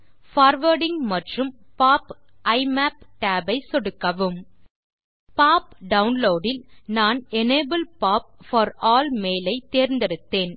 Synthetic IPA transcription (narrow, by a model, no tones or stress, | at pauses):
faːɾʋɐɾɽɪŋmɐʈrɯmpaːp | ʔɐɪmaːp̚ʈaːbɐɪsɔɽɯkːɐʋɯm | paːpɖɐʊnloːɖɪlnaːnɛneːbɐlpaːp̚fɐɾɔːlmeːlɐɪt̪ːeːɾnd̪ɪɾɯt̪ːeːn